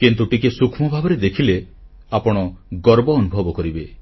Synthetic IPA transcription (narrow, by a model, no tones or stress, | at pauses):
kint̪uʈikesukʰmɔbʱabɔɾed̪ekʰile | apɔɽ̃ɔɡɔɾbɔːnubʱɔbɔkɔɾibe